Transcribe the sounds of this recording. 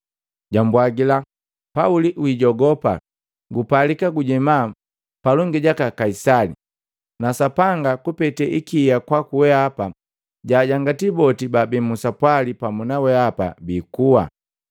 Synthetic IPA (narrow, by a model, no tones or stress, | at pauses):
ɟambwaɡila | pauliʔwiɟɔɡɔpa̰ | ɡupalikaɡuɟɛma | palɔŋɡiɟakakaisalḭ | nasapaŋɡakupɛtɛʔikiːjakwakuwɛapa | ɟaːɟaŋɡatibɔtibabɛmusapwalipamunawɛapa̰bikuwa̰